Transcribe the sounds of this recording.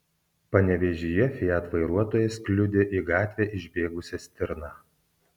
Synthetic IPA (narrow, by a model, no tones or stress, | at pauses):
pɐnʲɛʋʲɛʒʲijɛfʲɪjæːt̪ʋɐɪɾuɔt̪oːjɛskʲlʲʊd̪ʲeʔiɡɑːt̪ʲʋʲɛːʔɪʒʲbʲeːɡʊsʲɛsʲt̪ʲɪɾnɑː